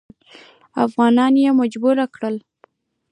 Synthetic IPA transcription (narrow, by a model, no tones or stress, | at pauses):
afɣɑnɑnjemad͡ʒbuɾakɽəl